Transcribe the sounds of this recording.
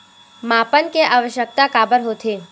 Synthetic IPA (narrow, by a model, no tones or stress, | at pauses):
mapənkeʔaʋəʃjək̚t̪akabəɾɦot̪ʰe